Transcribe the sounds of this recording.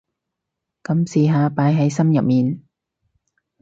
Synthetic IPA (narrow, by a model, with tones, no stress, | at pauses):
kɐ˨˧˦msiː˨˧ɦaː˧paː˨˥jɦɐ˨˥jsɐ˥mjɐ˨p̚miː˨n